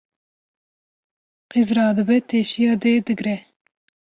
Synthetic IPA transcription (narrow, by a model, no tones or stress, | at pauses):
qizɾɑːd̪ɨbɛt̪ʰeːʃijɑːd̪eːd̪ɨɡɾɛ